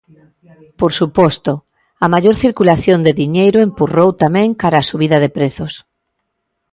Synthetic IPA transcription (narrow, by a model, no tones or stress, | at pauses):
poɾsupɔst̪ʊ | ɐmaʎoɾθiɾkulaθjond̪eðiɲejɾʊempurowt̪amɛ̃ŋkaɾaːsuβiðɐðepɾeθos